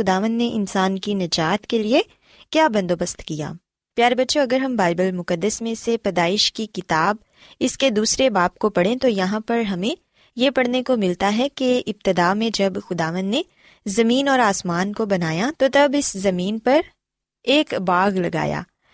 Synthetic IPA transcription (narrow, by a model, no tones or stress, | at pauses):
xʊd̪aːʋə̃nd̪neʔɪnsaːnkinɐd͡ʒaːt̪kelie | kjaːbɐ̃nd̪oːbɐst̪kija̰ː | pjaːɾebɐtːʃoɐɡəɾɦɐmbaːɪbəlmʊkəd̪ːəsmẽsepɐd̪aːɪʃkikɪt̪aːb̚ | ɪsked̪uːsɾebaːpkopɐɽẽt̪ojɐɦãpɐɾɦɐmẽ | jepɐɽnekomɪlt̪aɦɛkeɪb̚t̪ɪd̪aːmẽd͡ʒɐbxʊd̪aːʋə̃nd̪ne | zɐmiːnɔːɾaːsmaːnkobɐnaːjat̪ot̪ɐbɪszɐmiːnpɐɾ | eːkbaːɣlɐɡa̰ːja̰ː